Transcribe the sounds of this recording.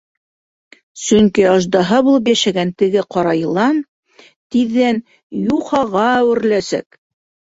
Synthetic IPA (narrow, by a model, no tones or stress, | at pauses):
sɵŋkiɑʒd̪ɑɦɤbulˠɤpjæʃæɡænt̪ɘ̆ɡɘqɑɾɑjɤ̆lˠɑn | t̪iðːæn | juχɑʁɑæwɘ̆ɾlæsæ̰k